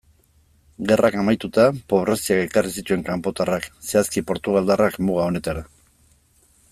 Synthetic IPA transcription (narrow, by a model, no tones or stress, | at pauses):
ɡe̞rakamajt̪ut̪apo̞β̞ɾasiake̞karisit̪ue̞ŋkampo̞t̪arakse̞askipo̞ɾt̪uɣ̞ald̪arakmuɣ̞ao̞ne̞t̪aɾa